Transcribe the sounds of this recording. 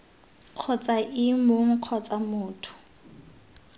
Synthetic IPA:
q͡χʰɔt͡sʼaʔɪmoŋ̩q͡χʰɔt͡samʊːtʰʊ̥

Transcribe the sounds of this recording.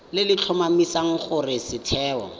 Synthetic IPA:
lɪlɪt͡ɬʰɔmamisaŋ̩χʊrɪsɪtʰɛːɔ̰

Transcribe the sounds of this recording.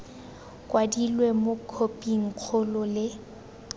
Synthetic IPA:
kʼwadilwemʊkʰopʼiŋ̩q͡χʰʊlʊlɪ

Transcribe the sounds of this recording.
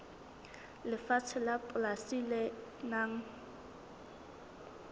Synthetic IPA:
lɪfat͡sʰɛlapʼʊlasilɛnaŋ̩

